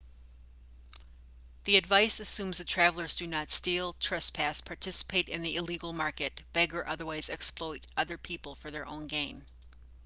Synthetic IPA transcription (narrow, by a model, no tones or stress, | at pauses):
ðiɨdvaɪsɨsʉ̃mzðɨtʰɹ̥ævl̩ˠə˞zdɨnətstilˠtʰɹ̥ʌspʰæspʰɑɹtʰɪsə̥pʰeɪɾɨ̃nðiɪliɡl̩ˠmɑɹkɨt̚b̥ɛɡə˞ʔʌðə˞waɪzɛksplɔɪɾʔʌðə˞pʰipl̩ˠfə˞ðə˞ʔõ̰ʊ̃nɡẽɪ̃n